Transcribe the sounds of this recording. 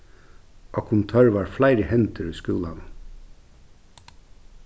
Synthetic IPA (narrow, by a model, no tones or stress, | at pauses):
ʔoːkʰʊnt̪ʰœːɹʋɑːɹflæɪɾəhɛnt̪əɾʉːskuːlan